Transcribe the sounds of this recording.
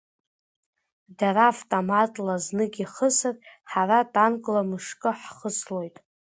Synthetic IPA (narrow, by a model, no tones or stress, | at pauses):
daɾavtʼomatʼlaznɨɡʲiχəsɨrħaratʼankʼlamɨʂkʼɨħχəslo̞jtʼ